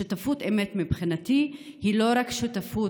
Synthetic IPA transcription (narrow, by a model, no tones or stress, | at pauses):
utafutemet̪mibχinat̪ihilo̞ɾakʃutafu